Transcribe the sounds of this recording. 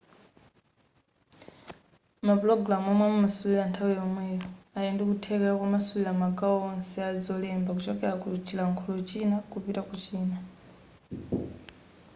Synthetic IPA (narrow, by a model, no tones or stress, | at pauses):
maplɔɡɾamuamwamumasulilantʰawijɔmwɛːjɔajɛndɛkutʰɛkɛakumasulilamakʼaɔɔnsɛad͡zɔlɛmbakut͡ʃɔkɛlakut͡ʃilaŋkʰɔlɔt͡ʃinakupitakut͡ʃiːna